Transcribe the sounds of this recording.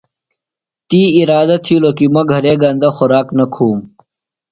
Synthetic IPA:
t̪iːiɾaːd̪ɐt̪ʰilokimɐɡʱɐɾeːɡɐnd̪ɐxʊɾaːknɐkʰuːm

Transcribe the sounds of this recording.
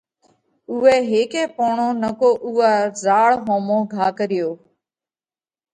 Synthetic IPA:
ʊːeːɦeːkẽːpoːɳõːnəkoːʔuːaːzaːɭɦõːmõːɡʱaːkəɾɪjoː

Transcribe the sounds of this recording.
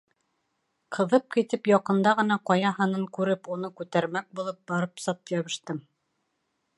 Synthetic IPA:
qʰɤ̆ðɤp̚kit̪ɘpjɑqɤ̆nd̪ɑʁɤ̆nɑqɑjɑɦɑnɤŋkʉɾɘpun̪ɤkʉt̪æɾmæk̚bulˠɤp̚bɑɾɤpsɑt̪̚jɑβɤ̆ʃt̪ɤm

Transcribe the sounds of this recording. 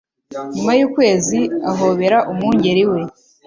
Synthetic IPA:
ɲumajuːkwe̞ːziaɦoːβe̞ɾaʔumuːɲɟeɾiwe̞

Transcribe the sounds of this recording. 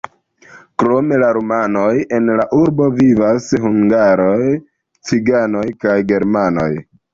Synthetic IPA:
kɾo̞me̞laɾomanoje̞nlaʔuɾbo̞vivashuŋɡaɾo̞j | t͡siɡano̞jkajɡe̞ɾmano̞̰j

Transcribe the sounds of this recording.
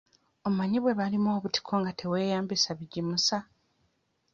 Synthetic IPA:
o̞βumaɲiβwe̞βalimo̞ːβuti̥kʰo̞ŋɡatʰe̞we̞ːjaːmbisaβiɟimusa

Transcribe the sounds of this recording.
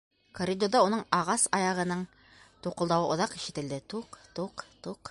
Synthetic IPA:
koɾʲid̪od̪ɑunɤɴɑʁɑsɑjɑʁɤ̆nɤɴ | t̪uqɤ̆lˠd̪ɑwɤʔŏðɑqiʃɘ̆t̪ɘ̆ld̪ɘt̪uqt̪uqt̪uq

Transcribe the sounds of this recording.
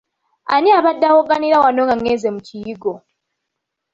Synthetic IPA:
a̰niaβadːawoɡaniɾawanoŋɡaŋːezemucijiɡo

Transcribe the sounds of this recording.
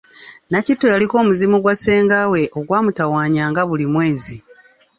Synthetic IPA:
nacitːo̞jaliko̞ːmuzimuɡwase̞ːŋɡawe̞ʔo̞ɡwaːmutawaːɲaːŋɡaβulimwe̞ːzi

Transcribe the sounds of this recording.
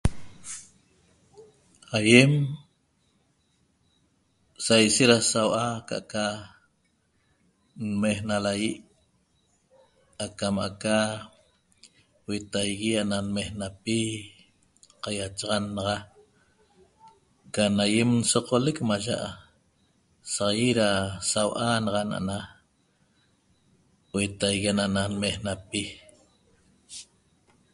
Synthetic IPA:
hajem | sajʃeɾasawʔaka̰ʔaka | nmehnalajiʔ | akamaa̰ka | wet̪ajɣiaʔnanmehnapi | qajat͡ʃɑʁɑnɑʁɑ | kanajemnsoqolekmaʒa̰ʔa | sʁjiɾasawʔanɑʁɑna̰ʔa̰na | wet̪ajɣianananmehnapi

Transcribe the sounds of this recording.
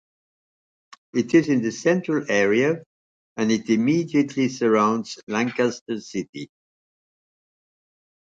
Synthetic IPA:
ɪtɪzɨ̃nðɨsɛ̃ntɹ̥əlˠɛɹiɨ | ɨ̃nɪtɨmidiɨtʰlisə˞ãʊ̃ndz̥læ̃ŋkastə˞sɪtḭ

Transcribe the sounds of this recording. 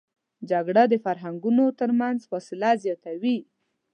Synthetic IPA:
d͡ʒaɡɽad̪əfaɾɦaŋɡunot̪əɾmanzfɔsɪlazjɑt̪awi

